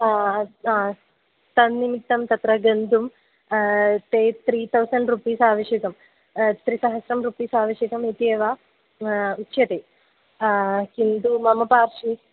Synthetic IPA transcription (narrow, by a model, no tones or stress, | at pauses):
t̪ɐnːimit̪ːɐmt̪ɐt̪ɾɐɡɐnd̪um | t̪eːt̪ɾiːt̪ʰɐwsɐɳɖɾupiːsaːʋɐʃjɐkɐm | t̪ɾisɐɦɐsɾɐmɾupiːsaːʋɐʃjɐkɐmit̪eːʋaː | utːʃjɐt̪eː | kind̪umɐmɐpaːɾʂi